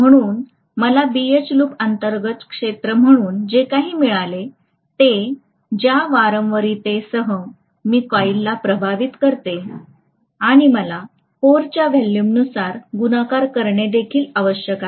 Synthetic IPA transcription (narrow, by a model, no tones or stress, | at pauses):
m̤əɽ̃uːn | məlabiet͡ɕluːpənt̪əɾɡət̪kʂet̪ɾəm̤əɽ̃uːnd͡ʑekaɦiːmiɭale | t̪e | d͡ʑjaʋaɾəmʋəɾit̪esəɦə | miːkʋailːapɾəbʱaʋit̪kəɾt̪e | aɽ̃iməla | poɾt͡ɕjaʋɛlːimnusaɾɡunakaɾkəɾɳed̪ekʰiːlaʋəɕjəka